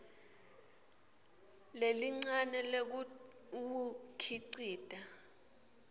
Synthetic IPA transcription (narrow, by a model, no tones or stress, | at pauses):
leliŋ͡ǀanɛlek̬ | kukʰiǀiːd̥ʱʼa